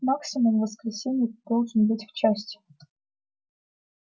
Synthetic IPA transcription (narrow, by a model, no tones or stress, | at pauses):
maksʲɪmʊmvəskɾʲɪsʲenʲɪjd̪olˠʐɨnbɨtʲft͡ɕæsʲtʲɪ̥